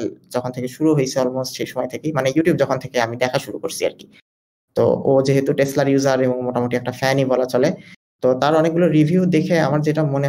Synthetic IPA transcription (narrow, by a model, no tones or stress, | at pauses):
ld͡ʑɔkʰont̪ʰekeʃuɾuɦojt͡ɕʰeɔlmosʈʃejʃɔmɔjt̪ʰekejmanejuʈijub̚d͡ʑɔkʰont̪ʰekeamid̪ɛkʰaʃuɾukoɾt͡ɕʰia̰ɾki̥ | t̪o̰od͡ʑeɦet̪uʈeslaɾjuzaɾeboŋmoʈamoʈiɛk̚ʈafɛnibɔlat͡ɕɔle | t̪ot̪aɾɔnek̚ɡuloɾibʱiud̪ekʰeamaɾd͡ʑeʈamone